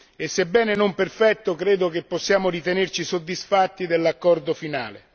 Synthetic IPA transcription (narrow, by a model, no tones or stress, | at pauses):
esːebːɛːnenomperfɛt̪ːokɾeːd̪okepːɔsːjaːmoɾit̪enert͡ʃisod̪ːisfat̪ːid̪elːakːɔrd̪ofinaːle